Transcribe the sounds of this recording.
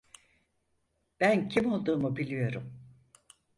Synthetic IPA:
b̥æncʰimo̞lˠd̪uːmubilʲijo̞ɾum

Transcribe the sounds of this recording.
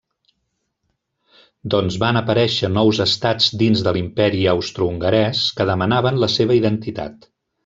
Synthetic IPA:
d̪ɔnzβanəpəɾɛʃənɔwzəst̪ad͡zd̪inzðəlimpɛɾiəwst̪ɾuuŋɡəɾɛskəðəmənaβənləseβ̞əiðənt̪it̪a̰t̪

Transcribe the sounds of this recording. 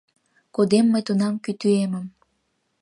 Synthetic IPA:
kod̪emːəjt̪unɑmkyt̪yeməm

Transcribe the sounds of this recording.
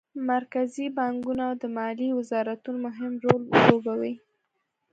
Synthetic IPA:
maɾkazibɑŋɡunawd̪əmɑliwɪzɑɾat̪unomʊɦɪmɾollobawi

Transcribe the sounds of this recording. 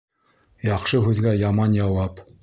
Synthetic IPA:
jɑqʃɤɦʉðɡæjɑmɑnjɑwɑp

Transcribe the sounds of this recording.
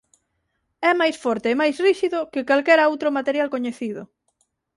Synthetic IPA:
ɛmajsfɔɾt̪eːmajsriʃiðʊkɪkalkɛɾaowt̪ɾʊmat̪eɾjalkoɲeθiðʊ̰

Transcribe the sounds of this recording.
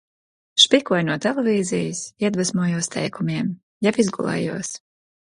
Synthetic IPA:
ʃpikuɔjnuɔt̪ɛlˠevʲiːzijisiɛd̪vasmuɔjuɔst̪ʰɛ̰jkumiɛm | japizɡṵlˠɛ̰juɔs

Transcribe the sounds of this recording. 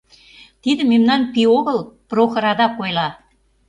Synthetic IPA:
t̪id̪ə̆memnɑnpioɣə̆lˠproxɤ̆ɾɑd̪ɑkojlɑ

